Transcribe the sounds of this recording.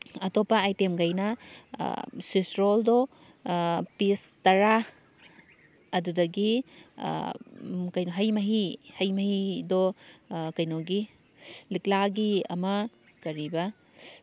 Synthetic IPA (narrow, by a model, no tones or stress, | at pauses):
ɐtɔpːɐːjtemɡɐjnɐ̰ | sisɾoldɔ | pistɐɾa | ɐdudɐɡḭ | kɐjnoɦɐjmɐɦihɐjmɐɦidɔkɐjnɔɡi | liklaɡiɐ̰mɐ | kɐɾibɐ